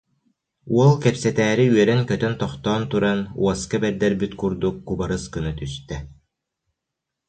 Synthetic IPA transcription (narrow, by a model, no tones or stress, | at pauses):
uɔlˠkɛpsɛt̪æːɾiyœɾɛnkœt̪œnt̪ɔχt̪ɔːnt̪uɾanṵɔskabɛɾd̪ɛɾbyt̪kuɾd̪ukːubaɾɯskɯnɯt̪yst̪ɛ